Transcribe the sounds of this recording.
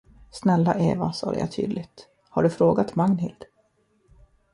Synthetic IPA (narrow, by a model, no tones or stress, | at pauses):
snɛlːaʔeːvasɑːd̪ə̰ja̰t̪ʰy̰ːd̪lɪɡt̪ | haɖɵfɾoːɡat̪maŋnɦɪld̪̥